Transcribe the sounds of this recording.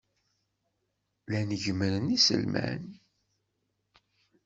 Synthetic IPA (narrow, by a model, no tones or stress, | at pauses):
lænəʝməɾənisə̰lmæ̰n